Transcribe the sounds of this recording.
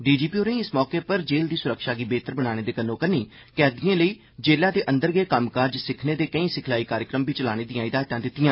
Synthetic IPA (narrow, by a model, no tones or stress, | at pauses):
ɖiːd͡ʒiːpiːoːnə̃ĩːɪsmɔːkeːpəɾd͡ʒeːld̪iːsʊɾəkʃaːɡiːbeːt̪əɾbəɽaːɽ̃eːd̪eːkənõːkəniː | kɛːd̪ɪjãːləiː | d͡ʒeːlãːd̪eːʔənd̪əɾɡeːkəmkaɾd͡ʒsɪkʰneːd̪eːkəĩːsɪkʰlaːiːkaːɾjəkɾəmbiːt͡ʃəlaːɽ̃eːd̪ijãːɪd̪aːt̪ãːd̪ɪt̪ːɪjãː